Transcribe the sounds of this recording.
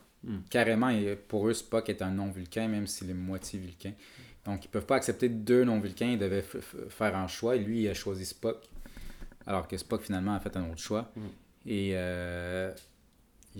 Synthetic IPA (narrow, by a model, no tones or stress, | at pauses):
kʲaʁemɑ̃epuʁøspɔkɛt̪ɛ̃nɔ̃vylkʲɛ̃mɛ̃msilemwat͡sjevylkʲɛ̃ | d̪̥ɔ̃kilpœvpaaksɛp̚t̪ed̪ønɔ̃vylkʲɛ̃ild̪əvɛfɛːʁɛ̃ʃwaelɥiːaʃwazispɔk | a̰lɔʁkəspɔkfinalmɑ̃afɛt̪ɛ̃noːt̪χʁʃwa | eø